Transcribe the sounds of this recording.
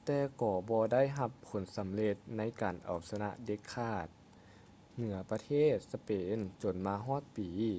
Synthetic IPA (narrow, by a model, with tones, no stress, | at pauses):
t̪ɛː˧kɔː˧˩bɔː˧da˥˩jɦa˧pʰːo˨˩˦nsa˨˦mle˧t̪̚na˧˥jkaː˨˩nʔa̰˨˩wsa˧na̰˧ʔde˧˦kʰːaː˧˥˩t̪̚ | nɯ˩˦ɐpa˧t̪ʰeː˥˩t̪̚sa˧peː˨˦nt͡ɕo˨˩nmaː˧ɦɔː˥˩t̪̚piː˨˦